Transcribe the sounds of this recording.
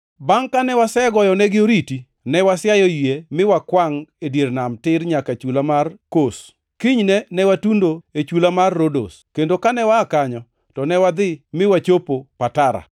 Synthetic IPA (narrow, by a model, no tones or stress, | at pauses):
baŋkanɛwasɛɡɔjɔnɛɡɪoɾiti | nɛwasjajɔjjemɪwakwaŋedjeɾnamtɪɾɲakat͡ʃulamarkos | kiɲnɛnɛwatundoet͡ʃulamarːodo̰skendokanɛwakaɲɔ | tɔnɛwad̪ɪmɪwat͡ʃopopataɾa̰